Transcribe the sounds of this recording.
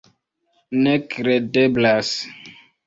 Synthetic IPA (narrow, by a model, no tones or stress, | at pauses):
nɛkɾɛdɛblas